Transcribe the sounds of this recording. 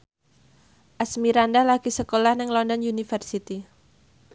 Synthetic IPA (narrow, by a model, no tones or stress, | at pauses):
ʔasmiɾandalaɡ̥isəkolahnɪŋlɔndɔnjunifərsit̪i